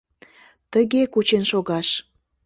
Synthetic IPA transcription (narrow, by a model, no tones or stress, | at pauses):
t̪əɣekut͡ɕenʃoɣɑʃ